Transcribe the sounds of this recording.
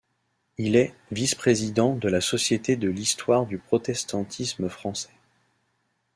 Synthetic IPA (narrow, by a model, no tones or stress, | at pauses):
ilɛvispχezid̪ɑ̃d̪əlasɔsjet̪ed̪əlist̪waʁd̪ypχɔt̪ɛst̪ɑ̃t̪ʰisməfχɑ̃sɛ̥